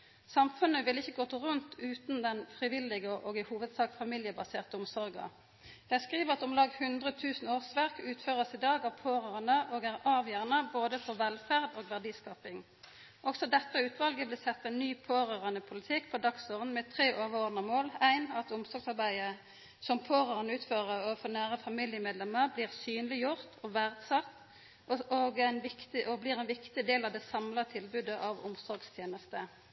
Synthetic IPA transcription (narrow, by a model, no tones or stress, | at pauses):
sɑmfʉnəʋɪlɪçːəɡoːt̪əʁʉnt̪ʰʉːt̪nd̪ɛnfʁɪʋɪlːɪɡəʔoːɡɪhuːʋəd̪sɑːkfɑmɪljəbɑseːʁt̪əʊmsɔɾɡɑ̰ | d̪̥ɛæskʁiːʋəʁɑt̪ʊmlɑːɡhʉnd̪ʁət̪ʰʉːsn̩oːʁsʋæʁkʉːt̪føːʁəsɪd̪ɑːɡɑpʰoːʁøːʁɑnəʔoːɡæʁɑːʋjæːʁnəboːd̪əfɔʋɛlfæʁd̪oːɡʋæʁd̪iːskɑːpɪŋ | ʔɔɡsɔd̪ɛt̪ːəʉːt̪ʋɑlɡəblɪsɛt̪ːɛɪnnyːpʰoːʁøːʁənəpʰʊlɪt̪ʰɪkːpʰɔd̪ɑksoːʁd̪n̩mɛt̪ʰʁeːʔoːʋəoːʁd̪nɑmoːlæɪnɑt̪ʊmsɔɾɡsɑʁbæɪə | sɔmpʰoːʁøːʁənəʉːt̪føːʁəɔfɔnæːʁəfɑmɪljəmeːd̪lɛməʁbliːʁsyːnlɪjʊʁt̪ʰɔʋæʁd̪sɑt̪ː | ʔoɡæɪnʋɪkt̪ɪʔɔblɪːʁæɪnʋɪkt̪ɪd̪eːlɑʋd̪ɛsɑmlɑt̪ʰɪlbʉd̪əʔɑʋʊ̰msɔɾɡst̪ʰjeːnəst̪ə